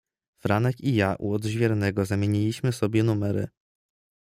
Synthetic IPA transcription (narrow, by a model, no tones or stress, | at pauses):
fɾanɛkijaʔṵɔd̪ʑvʲjɛɾnɛɡɔzamʲjeɲilʲiɕmɘsɔbʲjɛnumɛɾɘ̰